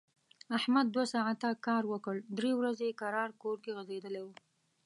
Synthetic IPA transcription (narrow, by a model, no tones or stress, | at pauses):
ahmad̪̚ːwasɑʕat̪akɑɾwəkəɽd̪ɾewɾazeekaɾɑɾkoɾkeɣəzed̪əlewu